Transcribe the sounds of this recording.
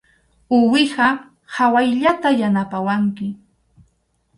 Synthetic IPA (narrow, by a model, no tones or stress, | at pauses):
ʊwɪɢɑ | hawajʎat̪ajanapawaŋkɪ